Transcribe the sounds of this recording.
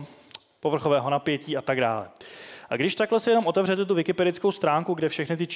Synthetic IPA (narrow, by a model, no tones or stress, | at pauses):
po̞vr̩xovɛːɦo̞napjɛciːat̪aɡda̰ːlɛ̰ʔaɡdɪʃt̪aklɛsɪjɛno̞mʔo̞t̪ɛvr̝ɛt̪ɛt̪̬uvɪkɪpɛdɪt͡skowst̪ɾaːŋkuɡdɛfʃɛxnɪt̪ɪt͡ʃ